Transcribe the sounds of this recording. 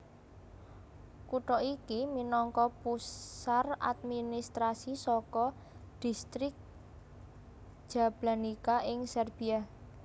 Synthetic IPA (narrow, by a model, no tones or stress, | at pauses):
kuʈɔʔikiminɔŋkɔpusara̰d̪̚minist̪ɾasisɔkɔ | d̪̥i̤st̪ɾɪk̚ | ʒ̥a̤b̥lanikaʔɪŋsɛrb̥i̤ah